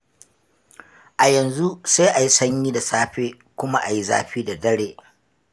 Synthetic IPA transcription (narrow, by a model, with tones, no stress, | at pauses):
ʔa˨jɐ˨nzu˦saː˦ʔa˨ji˦sɐ˦ɲjiː˦da˨saː˦ɸeː˦ | kʷʊ˦ma˦ʔa˨ji˦za̰ː˦ɸiː˦da˨dɐ˦ɽeː˨